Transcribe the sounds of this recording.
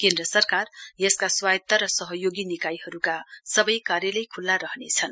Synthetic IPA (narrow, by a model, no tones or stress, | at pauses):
kend̪rʌsʌrkarjʌskaswajt̪ːaɾʌsʌɦʌjoɡinikajhʌɾukasʌbʌjkaɾjʌlejkʰulːaɾʌɦnet͡sʰʌn